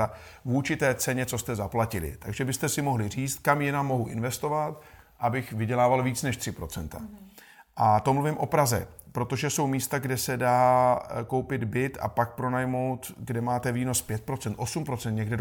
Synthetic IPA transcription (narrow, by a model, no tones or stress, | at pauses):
a | vut͡ʃɪt̪ɛːt͡sɛɲɛt͡so̞st̪ɛzaplacɪlɪ̰t̪aɡʒɛbɪst̪ɛsɪmo̞ɦlɪriːt͡st̪̚kamjɛnamːo̞ɦuʔɪnvɛst̪o̞vat̪ | ʔabɪxvɪɟɛlaːvalviːt͡snɛʃt̪r̥ɪpɾo̞t͡sɛnt̪a̰ | ʔat̪o̞mluvɪmʔo̞pɾazɛ̰pɾo̞t̪o̞ʒɛso̞wmiːst̪aɡdɛsɛdaːko̞wpɪd̪bɪt̪a̰pak̚pɾo̞najmo̞wt̪ɡdɛmaːt̪ɛviːno̞spjɛt̪̚pɾo̞t͡sɛnt̪ʔo̞sumpɾo̞t͡sɛnt̪̚ɲɛɡdɛ